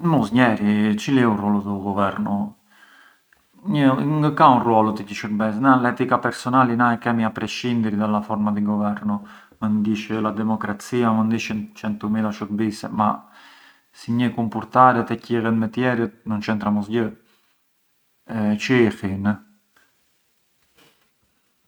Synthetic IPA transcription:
musɲɛɾit͡ʃiliurɔlɔt̪əɡɔvɛɾnu | ɲəŋɡəkaunrwɔlɔt̪əcəʃəɾbɛsnalɛt̪ikapɛɾsɔnalinaɛkɛmiapɾɛʃind̪iɾid̪alafɔɾmad̪iɡɔvɛɾnu | mənd̪iʃɛlad̪ɛmɔkɾat͡siamənd̪iʃɛnt͡ʃɛnt̪ɔmilaʃuɾbisɛ̰ma | siɲəkumpuɾt̪aɾɛt̪ɛciɣɛt̪mɛt̪jɛɾət̪nunt͡ʃɛnt̪ɾamɔsɟə | t͡ʃifin

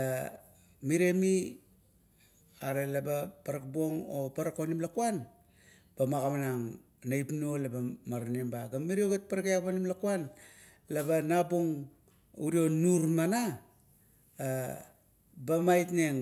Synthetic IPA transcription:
a | miɾe̞mi | aɾe̞labapaɾakbo̞ŋo̰paɾakonimlakuan | b̥amakamanaŋ | najpnuolabamaɾanembaɡamiɾioɡet̚paɾakeakpanimlakuan | labanaboŋ | uɾio̞nuɾmana | bamajtne̞ŋ

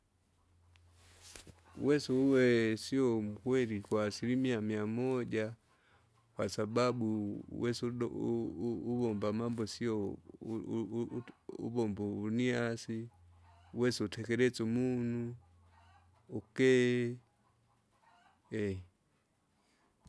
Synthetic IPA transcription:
ṵwɛsɛuwɛsiɔm̩kwɛɾikwaːsiɾimiamiamɔɟa | kwasababuwɛs | uβɔmbamambɔsiɔ | ṵbɔmbɔuniasi | uwɛsɛutʰɛkɛɾɛt͡sɔmunu | kɛ | ɛ

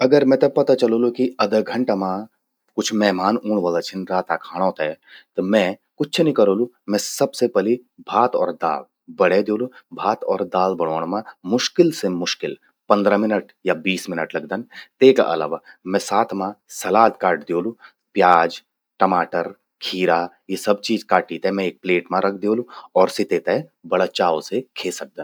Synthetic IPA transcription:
ɐɡəɾmɛ̃t̪epɐt̪at͡ʃɐlolukiɐd̪əɡʱə̃ɳʈamã | kʊt͡ʃʰmɛːmaːnuːɽʋaːlat͡ʃʰɪnɾaːt̪akʰaːɽ̃õt̪ʰɛt̪ɔmɛ̃kʊt͡ʃʰt͡ʃʰenĩkɐɾoːlu | mɛ̃sɐbsepɛlibʱaːt̪ɔ̰ːɾd̪a̰ːl | bɐɽ̤ed̪joːlubʱaːt̪ɔːɾd̪aːlbɐɽ̤̃oːɽ̃mãmʊʃkɪlsemʊʃkɪl | pɐ̃nd̪ɾamɪnəʈ | jabiːsmɪnəʈlɐɡd̪ənt̪eːka̰ʔɐ̰la̰ːʋaːmɛ̃saːt̪ʰmãsɐlaːd̪kaːɾʈd̪eoːlu | pjaːd͡ʒ | ʈɐmaːʈəɾ | kʰiːɾa | jesɐb̚t͡ʃiːzkaːʈit̪ɛmɛ̃eːk̚pleːʈmãɾɐk̚ʰd̪eoːluɔːɾsɪt̪et̪ɛbɐɽat͡ʃaːosekʰeːsɐk̚d̪ən

